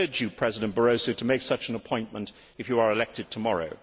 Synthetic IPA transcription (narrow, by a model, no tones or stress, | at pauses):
d͡ʒəpʰɹ̥ɛzɪdə̃nb̥əɹoʊsoʊtʰəmeɪksʌt͡ʃə̃n̩əpʰɔ̃ɪ̃nmə̃nt | ɨfjəə˞ɪlɛk̚tɨd̚tʰəmɒɹo̰ʊ